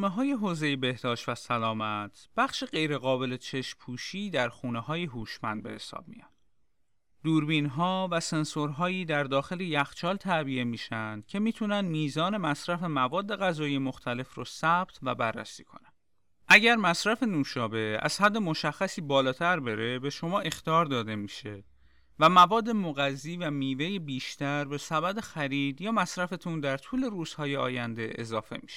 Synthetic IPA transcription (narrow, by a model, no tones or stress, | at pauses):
meɦɒːje̞ɦoːze̞jebe̞hd̪ɒːʃt̪væsælɒːmæt̪ʰb̥æxʃeɢe̞jɾe̞ɣɒːbe̞let͡ʃʰe̞ʃpʰuːʃiːd̪æɾxuːnehɒːjeɦuːʃmænd̪̚be̞he̞sɒ̰ːb̥̚mḭjɒn | d̪uːɾbiːnɦɒːvæsensoɾɦɒːiːd̪æɾd̪ɒːxe̞lejæxt͡ʃʰɒːlt̪ʰæbiemiːʃænd̪̥cʰe̞miːt̪ʰunænd̪miːzɒːne̞mæsɾæfe̞mævɒːd̪ːe̞ɣæzɒːijemo̞xt̪ʰæle̞frɔːsæb̥̚t̪ʰvæ̰bærːæ̰sḭːkʰo̞̰næn | ʔæɟæɾmæsɾæfe̞nuːʃɒːbe̞æ̰z̥hæd̪ːe̞moʃæxːæsiːbɒːlɒːt̪ʰæɾbe̞ɾe̞be̞ʃo̞mɒːʔe̞xt̪iɒːɾd̪ɒːd̪e̞miːʃe | væmævɒːd̪ːe̞moɣæzːiːvæmiːve̞jebiːʃt̪ʰæɾbe̞sæbæd̪e̞xæɾiːd̪jɒːmæsɾæfet̪ʰund̪æɾt̪ʰuːle̞ɾuːz̥hɒːjeɒ̰ːjænd̪e̞ʔːzɒːfe̞̰mi̥ʃ